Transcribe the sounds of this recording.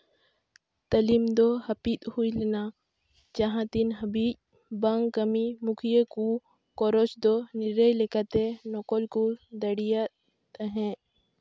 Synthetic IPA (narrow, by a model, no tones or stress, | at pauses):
t̪əlimd̪ɔhəpit̪hujlɛna | d͡ʒaɦãt̪inɦəbic̚ | bəŋɡkəmimukʰijeku | kɔɾɔt͡ʃd̪ɔniɾəjlɛkat̪ɛnɔkɔlkud̪əɽija | t̪əɦɛ̃